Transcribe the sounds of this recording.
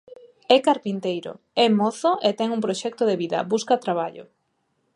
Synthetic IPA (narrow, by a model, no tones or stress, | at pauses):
ɛkaɾpint̪ejɾo̰ | ɛmɔθoʔet̪ɛŋumpɾoʃɛk̚t̪oðeβiðɐ̰buskat̪ɾaβaʎoʊ̰